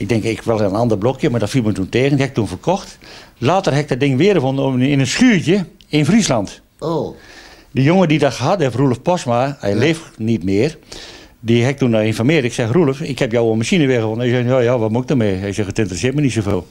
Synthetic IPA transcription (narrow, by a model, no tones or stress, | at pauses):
ɪɡ̚dɛŋkɪkʰʋɛlˠəənɑndərblokʰjəmadɔtfilˠmətunteːɣəndihɛɪktunfərkʰɔxtlaːtərhɛɪk̚d̚dɪŋʋɪərɣəfonɪnənsxyːtjə | ɪnfrislant | o | dəjoŋədidɔtxəɦatɛfrulˠəfpɔsmaɛ̰jleːfnitmɪːər | diɦɛɪk̚tunɔɪnfɔmɪətɪksɛxrulˠəfɪkhɛpjowoənmasinəʋɪəɣəfonənhɛjsɛnjojaʋɔtmuɪk̚dəmeːhɛjsɛxətɪntərəsɪət̚mənitsofeːlˠ